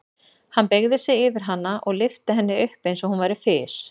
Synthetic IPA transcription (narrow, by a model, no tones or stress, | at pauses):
hanːpeɣðɪsɪɪvɪɾ̥ɦanːaʔɔɣlɪft̪ɪɦɛnːɪʏhpejnsɔhunvaːjɾɪfɪːs